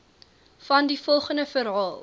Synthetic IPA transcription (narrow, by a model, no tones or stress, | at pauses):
fɐndifɔlˠχəndəfəɾɦɑːlˠ